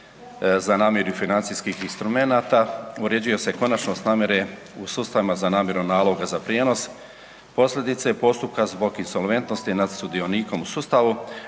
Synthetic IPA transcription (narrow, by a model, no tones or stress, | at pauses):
zanaːmje̞ɾjufinant̪iskixinst̪ɾume̞naːt̪auɾeːd͡ʑijo̞se̞ko̞nat͡ʃno̞st̪naːmjeɾe | usust̪aʋimazanaːmje̞ɾunaːlˠo̞ɡazapɾjeːno̞s | po̞slʲe̞d̪it̪sejepo̞st̪up̚kazbo̞ɡinso̞lˠʋe̞nt̪no̞st̪inad̪sud̪io̞niːko̞musust̪aʋu